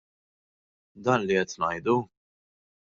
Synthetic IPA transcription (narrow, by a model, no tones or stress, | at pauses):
d̪ɐːnliɛt̪nɐ̰jd̪u